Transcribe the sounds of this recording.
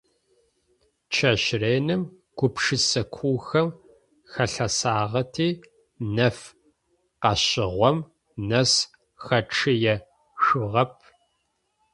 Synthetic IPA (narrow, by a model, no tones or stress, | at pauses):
t͡ʃʰɐɕreːnɨm | ɡ̥ʷʊpʂɨsɐkʷʰuːxɐm | xɐɬɐsaːʁɐtʰiː | nɐf | qɐɕɪʁʷɔm | nɐs | xɐʈ͡ʂʰɨjɛ | ʃʊʁɐp̚ʰ